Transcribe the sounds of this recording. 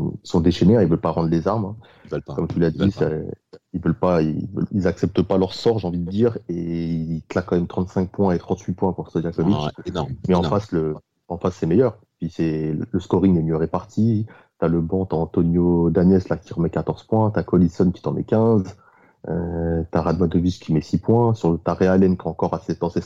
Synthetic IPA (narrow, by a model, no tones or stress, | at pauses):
sɔ̃d̪eʃeneɛ̃ilvœlpaʁɑ̃d̪ʁlezaʁmɛ̃ | kɔmt̪ylad̪isailvœlpaivə̰lilzaksɛp̚t̪əpalœʁsɔʁʒeɑ̃vid̪əd̪iːʁeiiklakːɑ̃mɛmt̪χɑ̃t̪sɛ̃k̚pwɛ̃et̪χɑ̃t̪ɥipwɛ̃puʁst̪ɔjakɔvit͡ʃmɛɑ̃faslə | ɑ̃fasːɛmejœʁ | pɥisɛləskɔʁiŋɛmjøʁepaʁt̪ʰi | t̪yaləbɑ̃t̪aɑ̃t̪ɔnjod̪anjɛslakʲiʁəmɛkat̪ɔʁz̥pwɛ̃t̪akɔlisɔnkʲi̥t̪əʁmɛkʲɛ̃z | øt̪aʁad̪mad̪ɔviskʲʰimɛsipwɛ̃syʁt̪aʁealɛnkaɑ̃kɔʁasɛt̪ɑ̃sɛ